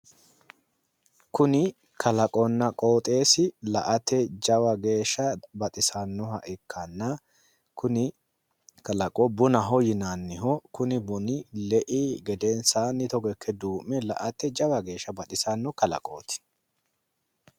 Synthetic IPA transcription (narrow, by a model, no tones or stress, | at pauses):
kʊnɪ | kʰɐlɐkʼɔnːɐkʼo̞ːt̪ʼe̞ːsɪlɐʔɐt̪ɛd͡ʒɐwɐɡe̞ːʃːɐbɐt̪ʼɪsɐnːɔɦɐ̰ʔɪkʰːɐnːɐ | kʊnɪ | kɐlɐkʼɔbʊnɐɦɔjɪnanːɪɦɔkʊnɪbʊnɪlɛʔiɡɛd̪ɛnsaːnːɪt̪ɔɡɛkʰːɛd̪uːmːɛlɐ̰ʔɐt̪ːɛd͡ʒɐwɐɡe̞ːʃːɐbɐt̪ʼɪsɐnːɔkɐlɐ̰kʼo̰ːt̪ɪ̥